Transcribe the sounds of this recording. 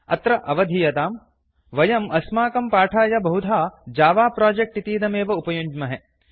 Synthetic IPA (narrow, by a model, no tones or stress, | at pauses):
ɐ̰t̪ɾɐʔɐʋɐd̪ʱijɐt̪aːm | ʋɐjɐmɐsmaːkɐmpaːʈʰaːjɐbɐɦud̪ʱaːd͡ʒaːʋaːpɾaːd͡ʒek̚ʈit̪iːd̪ɐmeːʋɐupɐjuɲd͡ʒmɐɦe